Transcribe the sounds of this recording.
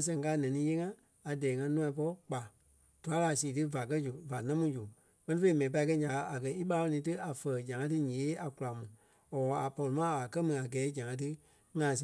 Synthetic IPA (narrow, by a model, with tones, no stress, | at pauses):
s̬ɛ̃˨ŋ˨kaː˦˨nɛ̃˨nĩː˨˦je˦ŋã˦ | a˨dɛː˨˦ŋã˧˦nũ˦ã˧˦p̬ɔ˦k͡pa˨ | d̥u˨a˨˦la˨siː˨tɨ˦va˨k̬ɜ˦d͡ʒu˨va˨nã˦mũ˦d͡ʒu˨ | k͡pɜ˧nĩ˦fe˧i˦mɛ̃˨p̬a˧i˧k̬ɜ˦ɲã˨ka˨˧a˨ɡɜ˧˦i˦ɓa˧˦ɔ˧nĩː˨˦tɨ˦ʔa˨fɜ˨d͡ʒã˨ŋã˦t̬ɨ˦ɲẽ˨˦a˨ku˨˧la˨mũ˨ | ɔ˨ɔ˨a˨pɔ˧li˨mã˦a˨kɜ˦mɨ̃˨a˨ɡɛː˨˦d͡ʒã˨ŋã˧˦t̬ɨ˦ | ŋã˨s̬